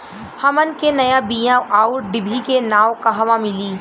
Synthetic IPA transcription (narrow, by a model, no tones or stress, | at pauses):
hɐmənkenɐjabiːjãʔaːuɾɖɪbʱikenaːwkɐɦɐʋãmɪliː